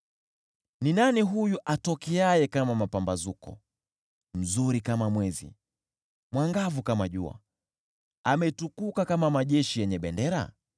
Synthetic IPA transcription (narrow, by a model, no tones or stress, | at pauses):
ninaniɦujuʔatɔkiajɛkamamapambazukɔ̰ | m̩zuɾikamamwɛzḭ | mwaŋɡavukamaʄṵa̰ | amɛtukukakamamaʄɛʃijɛɲɛɓɛndɛɾa̰